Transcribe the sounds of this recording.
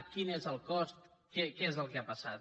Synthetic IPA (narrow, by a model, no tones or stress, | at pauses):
kinezəlˠkɔst̪kɛkeezəlˠkeapəsat̪